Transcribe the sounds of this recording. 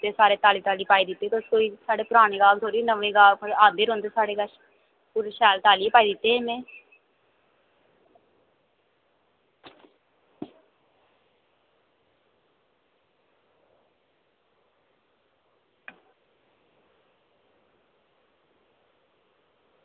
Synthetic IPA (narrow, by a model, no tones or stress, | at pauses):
eːsaːɾeːt̪aːliːt̪aːliːpaːiːd̪ɪt̪ːeːt̪oskoːiːsaːɖeːpʊɾaːɽ̃eːɡaːlt̪ʰoːɾiːnəʋẽːɡaːlkːaːd̪eːɾõːnd̪eːsaːɽeːɡəʃ | puːɾeʃɛːlt̪aːliːepaːiːd̪ɪt̪ːeːmẽː